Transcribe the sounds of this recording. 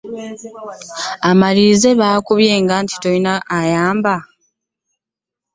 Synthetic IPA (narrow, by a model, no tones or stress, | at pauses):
amalize̞βaːkuβje̞ːŋɡaːnti̥tojinaʔːjaːmba